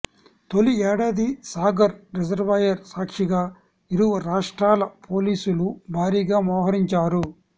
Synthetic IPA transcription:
t̪o̞liɛːɽaːd̪isaːɡɐɾɾɛd͡ʒɐɾʋɐjɐɾsaːkʂiɡaː | iɾuʋɐɾaːʂʈɾaːlɐpʰoːliːsulubʱaːɾiːɡaːmɔːɦɐɾiɲt͡ʃaːɾu

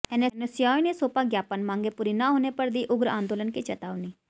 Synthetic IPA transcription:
ɛnenəsjanesopaɡjapanmãŋɡepuɾinaɦonepəɾd̪iʔuɡɾəand̪olənkit͡ɕət̪aʋni

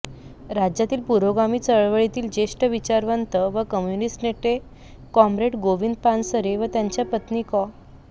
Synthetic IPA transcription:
ɾad͡ʑjat̪iːlpuɾoɡamiːt͡səɭʋəɭit̪iːld͡ʑeʂʈəʋit͡ɕaɾʋənt̪əʋəkəmjunisʈneʈe | kɔmɾeʈɡoʋiːnd̪pansəɾeʋət̪jaɲt͡ɕjapət̪niːkɔ

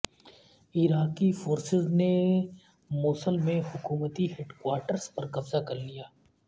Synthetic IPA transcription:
ɪɾaːkifoːɾsɪzne | moːsəlmẽɦʊkuːmət̪iɦeɖkwaːɾʈəɾspɐɾkɐbzakɐɾlijaː

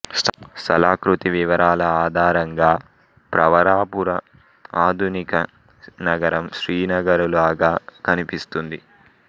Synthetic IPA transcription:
st̪ɐlaːkɾut̪iʋiʋɐɾʔaːlɐaːd̪ʱaːɾɐŋɡaː | pɾɐʋɐɾaːpuɾɐ | aːd̪ʱunikɐ | nɐɡɐɾɐmʃɾiːnɐɡɐɾulaːɡaːkɐnipist̪und̪i

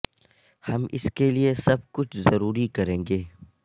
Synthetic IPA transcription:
hɐmɪ̰skeliesɐb̚kʊt͡ʃʰzɐɾuːɾikɐɾẽːŋɡeː

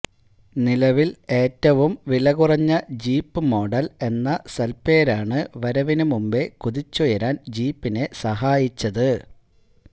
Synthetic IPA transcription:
nilɐʋile̞ːtːɐʋumʋilɐɣurɐɲːɐd͡ʑiːpːɨmo̞ːɖɐle̞nːɐsɐlpe̞ːɾaːɳɨʋɐɾɐʋinumumbe̞kuðit͡ɕːujɐɾaːnd͡ʑiːpːine̞sɐɦaːjit͡ɕːɐðɨ

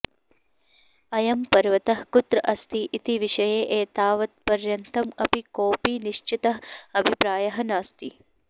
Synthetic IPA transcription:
ɐjɐmpɐɾʋɐt̪ɐɦkut̪ɾɐʔɐst̪iʔit̪iʋiʃɐjeːʔeːt̪aːʋɐt̪̚pɐɾjɐnt̪ɐmɐpikoːpiːniʃt͡ʃit̪ɐɦɐbʱipɾaːjɐɦɐnaːst̪i

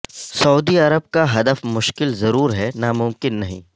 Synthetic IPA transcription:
sɐuːd̪iɐɾəb̚kaɦɐd̪əfmʊʃkɪlzɐɾuːɾɦɛnamʊmkɪnːɐɦḭ̃ː

